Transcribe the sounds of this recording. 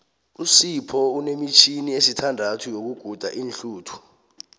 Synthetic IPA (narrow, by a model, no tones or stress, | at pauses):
usipʰɔunemit͡ʃʰiniesitʰandʱatʰujok̬uɡ̥ʱud̥ʱa̰ʔinɬuːtʰu̥